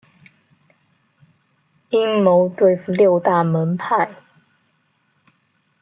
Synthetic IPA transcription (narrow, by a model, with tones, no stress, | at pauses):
i˦˥ŋmo˨˧˦ʊt̪we˥˧ɪfu˨˩ljo˥˧ʊt̪a˥˨mə˨˦npʰa˥˨ɪ